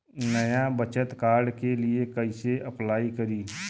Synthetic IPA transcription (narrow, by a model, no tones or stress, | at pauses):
nəjabət͡ʃət̪kaːɾɖkeliekɐɪseʔɐplaːikɐɾiː